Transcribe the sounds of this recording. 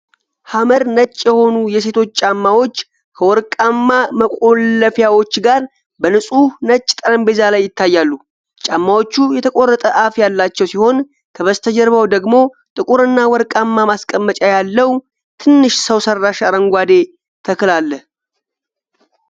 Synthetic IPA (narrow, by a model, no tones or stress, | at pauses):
haməɾnət͡ʃʼːjɛho̞nujɛse̞t̪ʰo̞t͡ʃːt͡ʃʼamːawo̞t͡ʃː | kʰəwɔɾkʼamːaməkʼo̞lːəfjawo̞t͡ʃːɡaɾ | bənɨsʼunət͡ʃʼːt̪ʼəɾəmbezalajːɪt̪ʰːajːalːu | t͡ʃʼamːawo̞t͡ʃːujɛt̪ʰəkʼo̞rːət̪ʼəʔafjalːat͡ʃːɛwsiho̞n | t̪ʰəβəst̪ʰəd͡ʒɛɾβəwd̪əɡmo̞ | t̪ʼɨkʼuɾɨnːawɔɾkʼamːamaskʼəmːət͡ʃʼajalːəw | t̪ʰɨnːɨʃsəwsərːaʃaɾəŋɡʷad̪e̞ | t̪ʰəkɨlalːəh